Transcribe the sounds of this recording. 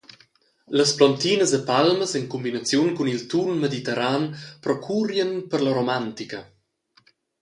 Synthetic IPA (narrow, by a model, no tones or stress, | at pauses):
ləsplɔnt̪inəsəpalməsɛŋkumbinat͡sjunkunilt̪unmed̪it̪ɛɾanpɾɔkʰurjənpərləɾomant̪ikə